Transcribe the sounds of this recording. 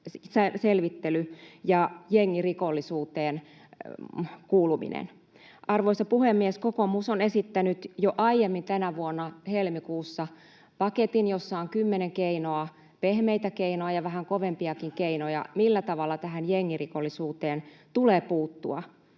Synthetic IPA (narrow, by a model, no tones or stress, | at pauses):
sselʋit̪ːelyjɑjeŋːirikolːisuːt̪eːn | kuːlumḭnḛn | ʔɑrʋoisɑpuhemːieskokomusonesit̪ːænyt̪joʔɑijemːint̪ænæʋuonːɑhelmikuːsːɑ | pɑket̪injosːɑoŋkymːeneŋkeinoɑ | pehmeijt̪ækeinoɑjɑʋæɦæŋkoʋempiɑkiŋkeinojɑ̰milːæt̪ɑʋɑlːɑt̪æɦænjeŋːirikolːisuːt̪eːnt̪uleːpuːt̪ːuɑ̰